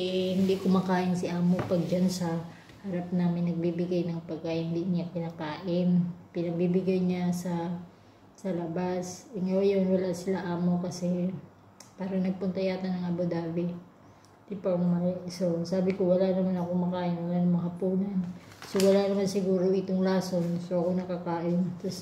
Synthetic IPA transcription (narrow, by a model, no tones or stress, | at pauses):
hɪnd̪ikʊmakaːʔɪnsɪʔaːmo̞pɐɡ̚d͡ʒansɐ | hɐɾap̚naːmɪnːɐɡ̚bibɪɡajnɐŋpɐɡ̚kaʔɪnhɪnd̪iɲakɪnaːkaːʔɪnpɪnɐɡ̚bibɪɡajɲasɐː | ɐlɐbasʔɪŋawjonwɐlaʔsɪlaʔaːmo̞kɐsɛ | paːɾɐŋnɐɡ̚pʊnt̪ɐjaːt̪ɐnɐŋɐbod̪aːbɪ | d̪̥ipɐŋmasosaːbɪkowɐlanɐmanɐko̞mɐkaːʔɪnwɐlaʔnɐmɐŋhɐpuːnɐnsowɐlanɐmansɪɡuːɾo̞ʔɪt̪oŋlaːso̞nsoʔɐko̞nɐkakaːʔɪnt̪os